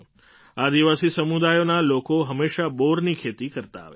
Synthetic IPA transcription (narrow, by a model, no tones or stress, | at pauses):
ad̪iʋasisəmud̪ajonalokoɦəmːeʃaboɾnikʰet̪ikəɾt̪a̰ːʋe